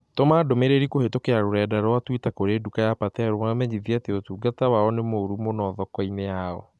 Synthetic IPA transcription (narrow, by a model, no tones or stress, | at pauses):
tomaːdomeɾeɾikohetokeaɾoɾɛːdaɾwatwitakoɾeːdukajapatɛaɾomamɛɲiðiateotuːɡatawaɔnemoɾumonɔðɔkɔinejaɔ̰